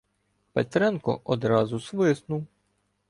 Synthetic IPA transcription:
pet̪ɾɛnkɔ̰ʔɔd̪ɾɑzʊsʋɪsnuw

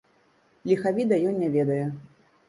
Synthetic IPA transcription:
lʲixavʲid̪ɐjɔnʲnʲɛvʲɛd̪ɐjɛ

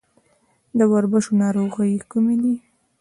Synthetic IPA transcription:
d̪əwaɾbəʃonɑɾoɣəjkumed̪i

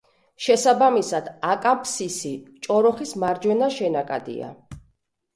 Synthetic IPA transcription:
ʃɛsabamisad̪̥akʼapʰsisit͡ʃʼɔɾɔχismaɾd͡ʒwɛnaʃɛnakʼad̪ḭa̰

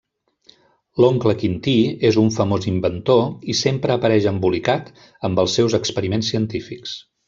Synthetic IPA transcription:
loŋkləkint̪iezuɱfəmozimbənt̪oisempɾəːpəɾɛʒəmbulikat̪ | əmbəlˠsːɛwzəkspəɾimensːiənt̪ifiks

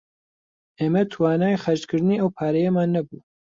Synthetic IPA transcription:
ʔeːmɛt̪ʰwaːnaːjxɐɾt͡ʃkʰɨɾd̪niːʔɐwpʰaːɾɛjɛmaːnːɐbuː

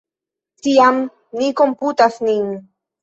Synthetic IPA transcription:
t̪iam | nikomput̪asnin

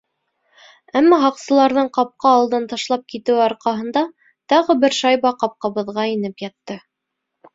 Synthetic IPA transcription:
æmːæɦɑqsɤ̆lˠɑɾðɤɴqɑp̚qɑːlˠd̪ɤnt̪ɑʃlˠɑp̚kit̪ɘ̆wɑɾqɑɦɤ̆nd̪ɑ | t̪ɑʁɤbɘɾʃɑjβɑqɑp̚qɑβɤ̆ðʁɑinɘpjɑt̪ːɤ

